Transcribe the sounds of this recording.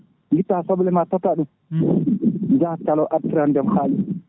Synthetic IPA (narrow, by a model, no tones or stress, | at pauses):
ŋɡitːasɔblɛmatataɗum | nd͡ʒahtalɔʔatiɾandɛmhaːli